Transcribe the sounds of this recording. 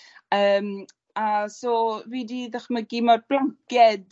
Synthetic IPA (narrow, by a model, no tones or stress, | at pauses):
əːm | asɔːviːdiðaχmaɡiːmarblaŋkjɛd